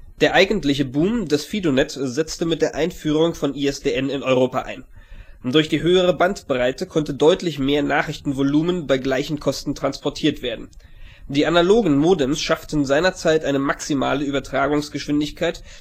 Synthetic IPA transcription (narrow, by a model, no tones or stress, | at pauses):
d̥eːɐʔaɪɡn̩tlɪçəbuːmdɛsfiːdonɛtz̥ɛt͡stəmɪt̚d̥eːɐʔaɪnfyːʁ̞ʊŋfɔniːɛsd̥eːɛnɪnɔʏʁ̞oːpa̰ʔa̰ɪn | d̥ʊɐçd̥iːɦøːəʁ̞əbantb̥ʁaɪtəkʰɔntədɔʏtlɪçmeːɐnaːχʁ̥ɪçtn̩voluːmənbaɪɡlaɪçn̩kʰɔstn̩tʁ̥anspʰɔɐtʰiːɐtv̥eːɐdn̩ | d̥iːʔanaloːɡŋ̩moːdɛmsʃaftn̩zaɪnɐt͡saɪtʔaɪnəmaksima̰ːləyːbɐtʁ̥aːɡʊŋsɡ̥əʃv̥ɪndɪçkʰaɪt